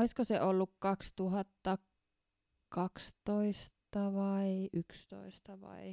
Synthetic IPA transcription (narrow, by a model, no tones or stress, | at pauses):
oiskoseʔolːukkɑkst̪uhɑt̪ːɑ | kɑkst̪oist̪ɑʋɑiʔykst̪o̰ist̪ɑʋɑ̰i